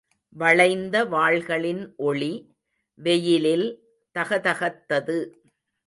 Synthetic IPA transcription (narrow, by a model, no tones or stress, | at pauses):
ʋɐɭɐɪnd̪ɐʋaːɭɣɐɭɪnʔɔɭi | ʋɛjɪlɪl | t̪ɐɣɐt̪ɐɣɐt̪ːɐðɯ